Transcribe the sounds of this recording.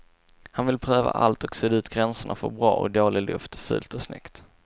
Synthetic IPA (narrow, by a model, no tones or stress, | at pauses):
hanvɪlpʰɾøːva̰ʔa̰lt̪ɔksɛːd̪ʉ̟ːt̪ɡɾɛnsəɳafœɾbɾɑːɔ̰k̚d̪oːɭɪlɵft̪fʉ̰ːlt̪ɔsnʏ̰kt̪